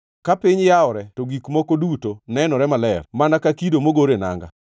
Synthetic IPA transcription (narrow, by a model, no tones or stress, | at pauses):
kapɪɲjaɔɾɛtoɡikmɔkodutonɛnɔɾɛmalɛrmanakakidomoɡoɾena̰ŋɡa̰